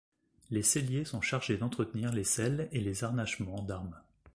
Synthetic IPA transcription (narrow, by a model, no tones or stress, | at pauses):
lesɛljesɔ̃ʃaʁʒed̪ɑ̃t̪χət̪niʁlesɛlelezaʁnaʃmɑ̃d̪aʁm